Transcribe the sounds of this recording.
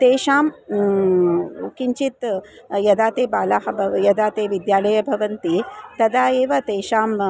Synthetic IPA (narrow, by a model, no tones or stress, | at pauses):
t̪eːʃaːm | kiɲt͡ʃit̪ | jɐd̪aːt̪eːbaːlaːɦɐbʱɐjɐd̪aːt̪eːʋid̪jaːlɐjɐbʱɐʋɐnt̪it̪ɐd̪aːeːʋɐt̪eːʃaːm